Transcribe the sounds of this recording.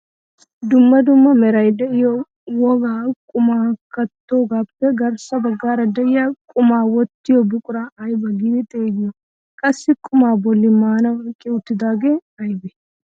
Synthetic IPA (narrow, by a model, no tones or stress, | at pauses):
d̪ʊmːɐd̪ʊmːɐmɛɾɐjd̪ɛʔɪjo | wɔɡaːkʼʊmaːkɐt̪ːoːɡabpːɛɡɐɾsɐbɐɡːaːɾɐd̪ɐjakʼʊmaːwɔt̪ːɪjɔbʊkʼʊɾaɐjbɐɡɪbɪt̪ʼeːɡjɔ | kʼɐsːɪkʼʊmaːbɔlːɪmaːnɐwkʼɪʊt̪ːɪd̪aːɡeːɐjbɛ̥